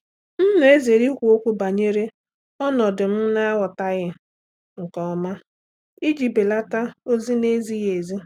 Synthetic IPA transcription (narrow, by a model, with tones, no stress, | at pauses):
n̩˦n˨˦e˦ze˨ɾi˦kʷu˨o˦kʷu˦ba˨ɲe˦ɾe˦ | ɔ˦nɔ˨dʊ˨m̩˦na˦wɔ˨ta˦ɣɪ˦ | ŋ̩˨kɔ˨˦ma˦ | i˦d͡ʒi˨be˨la˦ta˦o˦zi˦ne˦zi˦ɣe˨zi˦